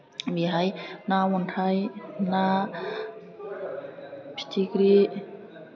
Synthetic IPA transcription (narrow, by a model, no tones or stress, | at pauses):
biɦajnaːwɔnt̪ʰajna | pʰi̥tʰikɾi